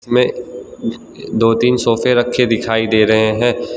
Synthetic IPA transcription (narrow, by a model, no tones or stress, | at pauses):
mẽ | d̪oːt̪iːnsoːfeɾɐkʰːed̪ɪkʰaːid̪eːɾɐɦeɦɛ̃ː